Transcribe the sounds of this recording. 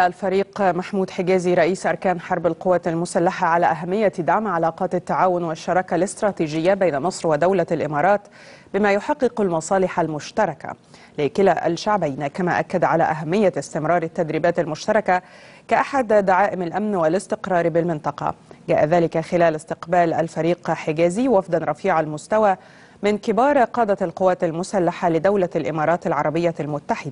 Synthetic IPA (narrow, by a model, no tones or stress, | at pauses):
aʔalfɑɾiːqmaħmuːd̪ħɪɡaːziɾˤɑʔiːsʔɑɾˤkaːnħɑɾˤbalqʊwːalmʊsalːaħaʕalaːʔaɦamːɪjːad̪aʕmʕalɑːqɑːt̪t̪ːaʕaːwʊnwɪʃːɑɾˤɑːkalɪst̪ɾˤɑːt̪iːd͡ʒɪjːabejnamɨsˤɾwɪd̪awlalʔɪmɑːɾˤɑːt̪ | bɪmaːjʊħɑqːɨqalmɑsˤɑːlɪħalmʊʃt̪ɑɾˤɑka̰ | lɪkɪlaʔa̰lʃaʕbajnakamaʔakːad̪ʕala̰ːʔaɦamːɪjːaɪst̪ɪmɾˤɑːɾˤɪt̪ːad̪ɾiːbaːt̪almʊʃt̪ɑɾˤɑka | kaʔaħad̪d̪aʕaːʔɪmalʔamnwɪlɪst̪ɪqɾˤɑːɾˤbɪlmɪnt̪ˤɑqɑ̰ɡæːʔaðæːlɪkaxɪlæːlɪst̪ɪqbæːlʔalfɑɾiːqħɪɡæːziwafd̪ɑnɾˤɑfiːʕalmʊst̪awaː | mɪnkɪbɑːɾˤqɑːd̪alqʊwːaːt̪almʊsalːaħalɪd̪awlalʔɪmɑːɾˤɑːt̪alʕɑɾˤɑbɪjːalmʊt̪ːaħɪd̪